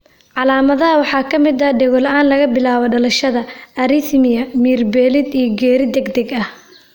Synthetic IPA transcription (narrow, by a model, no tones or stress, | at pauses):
ʕɑlaːmɐðɐɦɐwɑħɑːkʰɐmɪd̪ɐɖɛɣɔlɐʔaːnlɐɣɐbɪlaːβɔɖɐlɐʃɐðɐɐɾɪθmɪjɐmiːrbɛːlɪd̪ijɔɡɛːɾɪd̪ɛɡd̪ɛɡɐh